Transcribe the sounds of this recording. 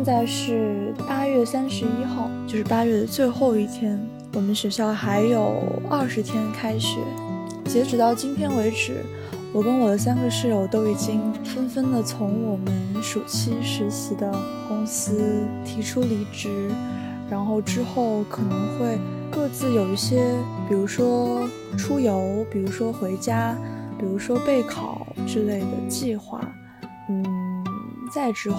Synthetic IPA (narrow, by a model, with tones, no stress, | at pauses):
ɛ˥˧nt͡sa˥˧ɪʂɻ̩˥˩pa˥ɥɛ˥˩sa˥nʂɻ̩˧˥i˥xɑ˥˧ʊt͡ɕjo˥˧ʊʂɻ̩˥˩pa˥ɥɛ˥˩ə˩t͡swe˥˧ɪxo˥˧ʊi˥˩t̪ʰjɛ˥n | wɔ˨˩mə˦nɕɥɛ˧˥ɕjɑ˥˩ʊxa˧˥ɪjo˨˩ʊɐ˞˥˩ʂɻ̩˧˥t̪ʰjɛ˥nkʰa˥ɪʂɻ̩˨˩˦ | t͡ɕjɛ˧˥ʈ͡ʂɻ̩˨˩t̪ɑ˥˩ʊt͡ɕi˥npʰjɛ˥nwe˧˥ɪʈ͡ʂɻ̩̰˨˩ | wɔ˨˩kə˥nwɔ˨˩d̪ə˦s̬a˥nɡə˧ʂɻ̩˥˩ɻo˥˧˩ʊt̪o˥ʊi˨˩t͡ɕi˥ŋfə˥nfə˥ndlə˨t͡sʰʊ˧˥ŋwɔ˨˩mə˦nʂu˨˩t͡ɕʰi˥ʂɻ̩˧˥ɕi˧˥d̪ə˧ | kʊ˥ŋsɹ̩˥t̪ʰi˧˥ʈ͡ʂʰu˥li˧˥ʈ͡ʂɻ̩˧˥ | ɻa˧˥nxo˥˩ʊʈ͡ʂɻ̩˥xo˥˩ʊkʰɤ˨˩nɤ˧˥ŋxwe˥˧ɪ | kɤ˥˧t͡sɹ̩˥˩jo˨˩ʊi˥˩ɕjɛ˥pi˨˩ɻu˧˥ʂwɔ˥ | ʈ͡ʂʰu˥jo˧˥ʊpi˨˩ɻu˧˥ʂwɔ˥xwe˧˥ɪt͡ɕja˥pi˨˩ɻu˧˥ʂwɔ˥pe˥˩ɪkʰɑ˨˩ʊʈ͡ʂɻ̩˥le˥˩ɪd̪ə̰˩t͡ɕi˥˧xwa̰˥˩ | n̩˥˩ | t͡sa˥˩ɪʈ͡ʂɻ̩˧˥